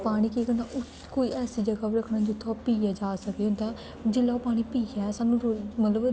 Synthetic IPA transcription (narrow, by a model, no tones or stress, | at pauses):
paːɽ̃iːkikənãʔʊ | koːiːʔɛːsiːd͡ʒəɡaːɾəkʰnaːd͡ʒʊt̪ʰːõpiːjaːd͡ʒaːsəkd̪et̪ãː | d͡ʒɪlːaːoːpaːɽ̃iːpiːaːsaːnũːɾomət̪ləb